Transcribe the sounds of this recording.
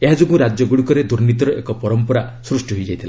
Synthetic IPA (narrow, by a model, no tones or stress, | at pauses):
eɦad͡ʒuɡũɾad͡ʒjɔɡuɽikɔɾed̪uɾnit̪ɔɾɔʔekɔpɔɾɔmpɔɾasɾusʈiɦojd͡ʒajt̪ʰila